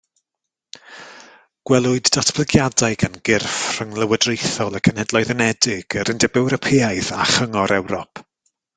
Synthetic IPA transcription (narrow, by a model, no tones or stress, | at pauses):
ɡ̥wɛlˠʊɨdːatʰb̥ʰlɪɡjadajɡanɡ̥ɪrfr̥əŋlˠəwədrejθɔlˠəkʰənhɛdlˠɔɨðənɛdɪɡ̥əɾɪndɛbɛwɾɔpʰiajðaχəŋɔɾɛwɾɔpʰ